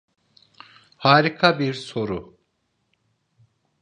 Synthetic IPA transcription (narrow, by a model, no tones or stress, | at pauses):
haːɾikʰabiɾso̞ɾʊ